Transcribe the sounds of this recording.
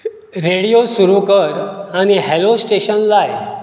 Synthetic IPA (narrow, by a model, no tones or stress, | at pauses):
ɾeɽijosuɾukəɾañiɦelosʈeɕənlaj